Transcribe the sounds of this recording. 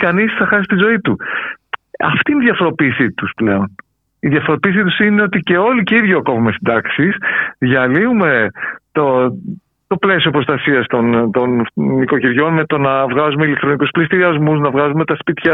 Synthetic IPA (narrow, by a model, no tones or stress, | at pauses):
kɐnisθɐxɐsist̪izo̞it̪u | ɐ̰ft̪iːniðʝjɐfo̞ɾo̞piːsit̪usple̞o̞n | iðʝɐfo̞ɾo̞piːsit̪usine̞o̞t̪ice̞o̞liceiðʝoɐko̞vume̞sind̪ɐksisðʝɐliume̞t̪o | t̪o̞ple̞sio̞pɾost̪ɐsiɐst̪o̞nt̪o̞nːiko̞ciɾʝo̞nme̞t̪o̞nɐvɣɐzumeilek̚t̪ɾo̞nikusplist̪iɾiɐzmusnɐvɣɐzume̞t̪ɐspit̪çɐ